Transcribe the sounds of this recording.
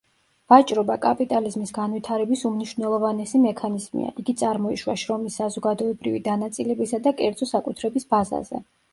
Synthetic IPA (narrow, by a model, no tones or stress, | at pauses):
v̥at͡ʃʼɾɔbakʼapʼit̪ʼalizmisɡanvit̪ʰaɾɛbisumniʃvnɛlˠɔvanɛsimɛkʰanizmḭa̰ʔiɡit̪sʼaɾmɔiʃwaʃɾɔmisːazɔɡad̪ɔɛbɾivḭd̪anat̪sʼilɛbisad̪akʼɛɾd̪z̥ɔsakʼut̪ʰɾɛbisbaza̰zɛ̰